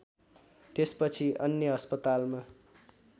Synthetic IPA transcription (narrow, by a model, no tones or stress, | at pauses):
t̪espʌt͡sʰiʌnjʌɦʌspʌt̪alma